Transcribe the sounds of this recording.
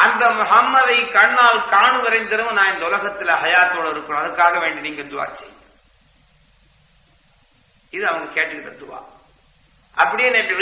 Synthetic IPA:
ʔɐnd̪ɐmʊɦɐmːɐðɐɪkɐɳːaːlkaːɳɯʋɐɾɐɪnd̪ɪɾɯmnaːnɪnd̪ɐʊlɐɣɐt̪ːɪlɦɐjaːt̪ːoːɽɐɪɾɯkːɯmɐðɐɾkːaːɣɐʋeːɳɖiniːŋɡɐɭd̪ʊʋa̰ːt͡ʃːḭ | ɪðɯɐʋɐŋɡɐkeːʈɾɯkːɪɳːɐd̪ʊʋa̰ː | ʔɐpːɐɽɪjeːneːpːɪð

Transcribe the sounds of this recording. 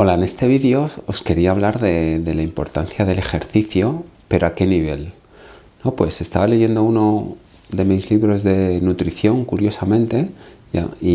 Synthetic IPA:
o̞laene̞st̪e̞β̞iðjo̞oske̞ɾiaːβ̞laɾðe̞ðe̞laimpo̞ɾt̪an̟θjaðe̞le̞xe̞ɾθiθjo̞pe̞ɾo̞ake̞niβ̞e̞l | no̞pwe̞se̞st̪aβale̞ʝe̞nd̪o̞uno̞ | ðe̞mizliβɾo̞zðe̞nut̪ɾiθjo̞ŋkuɾjo̞samẽnt̪e̞ja̰i

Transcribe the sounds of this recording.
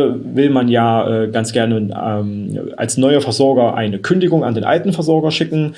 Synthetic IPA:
vɪlmanjaːʔɛːɡant͡sɡ̥ɛɐnəɛmʔa̰lsnɔʏɐfɛɐzɔɐɡɐʔa̰ɪnəkʰʏndɪɡʊŋa̰ndeːnʔa̰ltn̩fɛɐzɔɐɡɐʃɪkŋ̩

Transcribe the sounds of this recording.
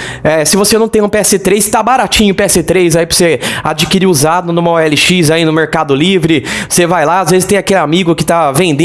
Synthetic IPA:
ɛsɪvosenɐ̃w̃t̪ẽũpeɛsɪt̪ɾejst̪abaɾat͡ʃĩɲʊpeɛsɪt̪ɾejzaipɾosead͡ʒikiɾiuzad̪ʊnũmɐoɛlɪʃizainʊmeɾkad̪ʊlivɾɪsevajlaazvezɪst̪ẽj̃akelɪamiɡʊkɪ̥t̪avẽnd̪ẽ

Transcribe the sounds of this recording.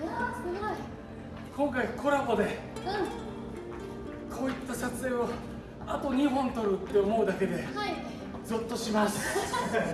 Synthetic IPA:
kʰõ̞ŋkaikʰo̞ɾabo̞d̪e̞ | kʰo̞ːit̪ːasat͡sɨe̞o̞ | at̪o̞ɲ̟iɦõ̞nt̪o̞ɾɯ̟t̪ːe̞omo̞ɯ̟d̪ake̞d̪e̞ | d͡zɨt̪ːo̞ɕimasɨ̥

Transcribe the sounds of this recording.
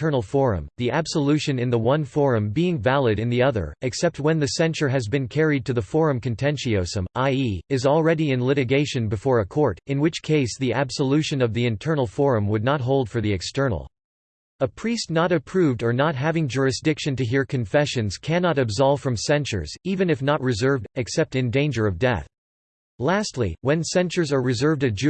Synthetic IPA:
ɜ˞nl̩ˠfɔɹɨ̰̃mðiʔæb̥səlʉʃɨ̃nɨ̃nðəwʌ̃nfɔɹɨ̃mbiɪ̃ŋvælˠɨɾɨ̃nðiʌðə̰˞ɨksɛp̚t̚wɨ̃nðɨsɛ̃nt͡ʃə˞ɨzbɨ̃nkʰɛɹid̚tʰɨðəfɔɹɨ̃mkɨ̃ntʰɛ̃nʃioʊsə̃mʔaɪiɨzl̩ˠɹɛɾiɨ̃nlɪɾɨɡeɪʃɨ̃nbɨfɔɹɨkʰɔɹɾɨ̃nwɨt͡ʃkʰeɪsðiæb̥səlʉʃɨ̃nʌvðiɨ̃ntʰɜ˞nl̩ˠfɔɹɨ̃mwədⁿnət̚ɦoʊlˠd̥fə˞ðiɨkstɜ˞nl̩ˠ | əpʰɹ̥istnəɾɨpʰɹ̥ʉvdə˞nət̚ɦævɪ̃ŋd͡ʒʊɹɨsd̥ɪkʃɨ̃ntɨɦiɹkʰɨ̃ɱfɛʃɨ̃nz̥kʰænɑɾɨbzɑlˠv̥fɹʌ̃msɛ̃nt͡ʃə̰˞z̥ivɨ̃nɨfnət̚ɹɨzɜ˞vdɨksɛp̚tɨ̃ndẽɪ̃nd͡ʒə˞ʌvdɛ̰θ | læstˡlḭwɨ̃nsɛ̃nt͡ʃə˞zə˞ɹɨzɜ˞vdɨd͡ʒ

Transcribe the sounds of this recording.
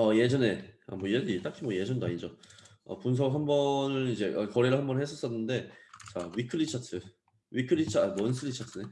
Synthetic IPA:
ʌje̞d͡ʑʌne̞a̰mwʌjeit͈akʰimwʌje̞d͡ʑʌndaɲid͡ʑʌ | ʌ̰puns̬ʰʌɡɦambʌnɯnid͡ʑe̞ʔʌkʌɾeɾɯɭɦambʌnhes͈ʌs͈ʌnːɯnde̞t͡ɕawikʰɯɭːit͡ɕʰatʰɯ | wikʰɯɭːit͡ɕʰabons̬ʰɯɭːit͡ɕʰatʰɯne̞

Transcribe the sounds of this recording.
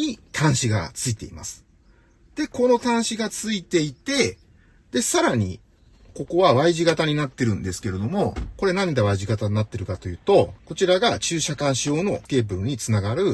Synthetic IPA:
ɲit̪ʰãɰ̃ɕiɡa̰t͡sɨit̪e̞̰ḭma̰sɨ̥ | d̪̥e̞ko̞no̞t̪ãɰ̃ɕiɡat͡sɨit̪e̞it̪e̞ | d̪̥e̞saɾaɲ̟ḭ | ko̞ko̞βaβaiʑiɡat̪aɲ̟inat̪ːe̞ɾɯ̟̃nd̪e̞sɨ̥ke̞ɾe̞d̪o̞mo̞ko̞ɾe̞nãnd̪eβaiʑiɡat̪aɲʲnat̪ːe̞ɾɯ̟kat̪o̞jɯ̟ːt̪o̞ko̞t͡ɕiɾaɡat͡ɕɨːɕakãɰ̃ɕio̞ːno̞ke̞ːbɯ̟ɾɯ̟ɲ̟it͡sɨnaɡaɾɯ̟

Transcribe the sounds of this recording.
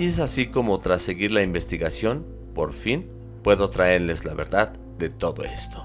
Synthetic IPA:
ies̬asiko̞mo̞t̪ɾase̞ɣiɾlaimbe̞st̪iɣasjo̞n | po̞̰ɾfin | pwe̞ðo̞t̪ɾae̞ɾle̞zlaβe̞̰ɾðað | ðe̞t̪o̞ðo̞̰e̞st̪o̥

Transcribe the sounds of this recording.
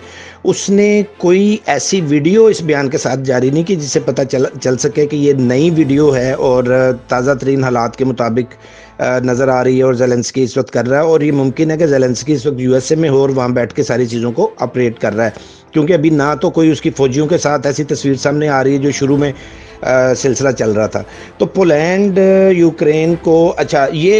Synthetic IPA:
ʊsnekoːiɛːsiʋiːɖijoɪsbɐjaːnkesaːt̪̚ʰd͡ʒaːɾinɐɦĩkid͡ʒɪsːepɐt̪at͡ʃɐlsɐkekejenɐiʋiːɖijoɦɛɔːɾt̪aːzat̪əɾiːnɦaːlaːt̪kemʊt̪aːbɪk | nɐzəɾaːɾɐiɦɛɔːɾzɛːlɛ̃ːnskiɪsʋɐk̚t̪kɐɾːaɦɛɔːɾjemʊ̃mkɪnɦɛk̬ezɛːlɛ̃ːnskiɪsʋɐk̚t̪juːɛsemẽɦoɔːɾʋɐɦãbɛːʈʰkesaːɾit͡ʃiːzõkoaːpɾeːʈkɐɾːaːɦɛː | kjõːkeɐbʱinãt̪okoːiʊskifɔːd͡ʒijõkesaːt̪ʰɛːsit̪ɐsʋiːɾsaːmneaːɾɐiɦɛd͡ʒoːʃʊɾumẽ | sɪlsɪlat͡ʃɐlɾɐɦat̪ʰa̰ː | t̪oːpoːlɛ̃ːɳɖjuːkɾeːnkoɐtːʃʰajeː

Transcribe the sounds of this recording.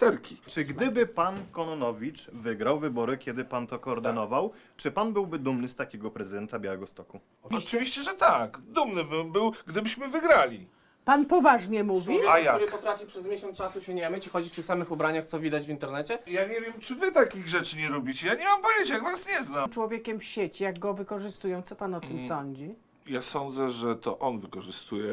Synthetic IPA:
t̪ɛɾkʲit͡ʂɘɡd̪ɘbɘpankɔnɔnɔvʲit͡ʂvɘɡɾawvɘbɔɾɘkʲjɛd̪ɘpant̪ɔkɔːɾd̪ɘnɔvaw | t͡ʂɘpanbɘwbɘd̪umnɘst̪akʲɛɡɔpɾɛzɨd̪ɛnt̪abʲjawɛɡɔst̪ɔku | ɨvʲiɕt͡ɕɛʐɛt̪akd̪umnɘbɘmbɘwɡd̪ɘbɘɕmɘvɘɡɾalʲi | panpɔvaʐɲɛmuvvʲiajauɾɨpɔt̪ɾafʲipʂɛzmʲjeɕɔ̃nt͡ʂasuɕeɲɛamɘt͡ɕixɔd͡ʑift̪ɘxsamɘxubɾaɲaxt̪sɔvʲid̪ad͡ʑvʲint̪ɛɾnɛt͡ɕɛjaɲɛvʲjɛmt͡ʂɘvɘt̪akʲiɣʐɛt͡ʂɘɲɛɾubʲit͡ɕɛjaɲɛmampɔvʲjeɲt͡ɕɛjaɡvasɲɛznamt͡ʂwɔvʲjekʲɛmfɕet͡ɕijaɡɡɔvɘkɔʐɘst̪ujɔ̃w̃t̪sɔpanɔt̪ɘmsɔɲd͡ʑi | jasɔnd̪zɛʐɛt̪ɔ̰ʔɔnvɘkɔʐɘst̪ujɛ

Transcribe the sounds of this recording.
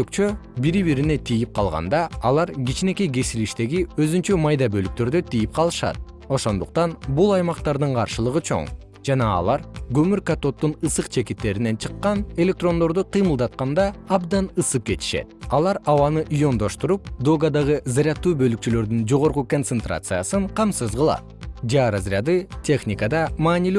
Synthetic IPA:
økt͡ʃø̞biɾiβiɾine̞t̪ʰijip̚qʰɑ̰lˠʁɑ̰nd̪ɑɑlˠɑɾɡit͡ʃine̞keɡe̞siliʃt̪e̞ɡiø̞zynt͡ʃømɑjd̪ɑbølyk̚t̪ø̞ɾd̪ø̞t̪ijip̚qʰɑlˠɯʃɑ̰t̪̚ | o̞ʃo̞nd̪uq̚t̪ɑnbulˠɑjmɑqt̪ɑɾd̪ɯɴqʰɑɾʃɯlˠɯʁɯt͡ʃʰo̞̰ŋ | d͡ʒɑnɑ̰ːlˠɑɾɡø̞myɾkat̪o̞t̪ːunɯsɯqt͡ʃʰe̞kit̪ːe̞ɾine̞nt͡ʃʰɯ̥qːɑne̞lʲe̞k̚t̪ro̞nd̪o̞ɾd̪uqʰɯjmɯlˠd̪ɑt̪̚qɑnd̪ɑɑbd̪ɑnɯsɯp̚ke̞t̪i̥ʃe̞̰t̪̚ɑlˠɑɾɑwɑnɯʔijo̞nd̪o̞ʃt̪uɾup̚d̪o̞ɡad̪ɑʁɯzaɾʲɑt̪ːuːbø̞lyk̚t͡ʃylø̞ɾd̪ynd͡ʒo̞ʁo̞ɾquko̞nt̪sent̪rʔa̰t̪sɨjasɯɴqʰɑmsɯzʁɯlˠɑ̰t̪d͡ʒaɾɑzɾʲjad̪ɯt̪ʲʰe̞xnʲikad̪ɑmɑːnilʲ

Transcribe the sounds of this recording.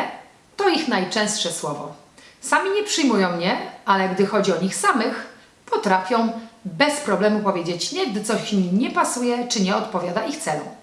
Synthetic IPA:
t̪ɔixnajt͡ʂɛ̃w̃st̪ʂɛswɔvɔ̰ | samʲiɲɛpʂɘjmujɔ̃w̃ɲɛalɛɡd̪ɘxɔd͡ʑiɔɲixsamɘx | pɔt̪ɾafʲjɔ̃w̃bɛspɾɔblɛmupɔvʲjed͡ʑet͡ɕɲɛɡd̪ɘt̪sɔɕmʲiɲɛpasujɛt͡ʂɘɲɛɔt̪pɔvʲjad̪aixt̪sɛlṵ

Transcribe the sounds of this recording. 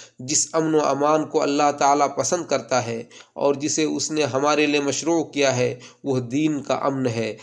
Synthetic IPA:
d͡ʒɪsɐmnoa̰ːmaːnkoɐ̰lːaɦt̪aːlapɐsə̃nd̪̚kɐɾt̪aɦɛːɔ̰ːɾd͡ʒɪseʊsneɦɐmaːɾeliemɐʃɾuːkijaɦɛ | ʋɐɦd̪iːnka̰ʔɐmnɦɛː

